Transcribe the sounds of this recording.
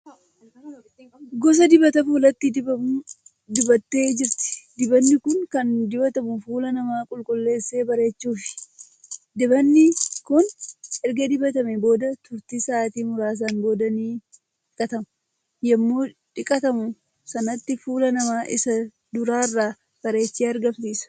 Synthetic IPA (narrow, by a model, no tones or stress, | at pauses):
ɡɔs̬ɐd̪ɪbɐt̪ɐfuːlɐt̪ːɪd̪ɪbɐ | d̪ɪbɐt̪ːe̞ːd͡ʒɪɾt̪ɪ̥d̪ɪbɐnːɪkʊnkɐnd̪ɪbɐt̪ɐmʊfuːlɐnɐmaːkʼʊlkʼʊlːe̞ːsːe̞ːbɐɾe̞ːt͡ʃːuːfɪ̥ | d̪ɪbɐnːɪkʊnɛɾɡɐd̪ɪbɐt̪ɐmɛbo̞ːd̪ɐt̪ʊɾt̪isaːt̪iːmʊɾaːs̬aːnbo̞ːd̪ɐniː | ᶑɪkʼɐt̪ɐmɐ̥ | jɛmːoːᶑɪkʼɐt̪ɐmʊ | sɐnɐt̪ːɪfuːlɐnɐmaːʔɪsɐ | d̪ʊɾaːrːaː | b̥ɐɾe̞ːt͡ʃːeːɐɾɡɐmsiːsɐ̥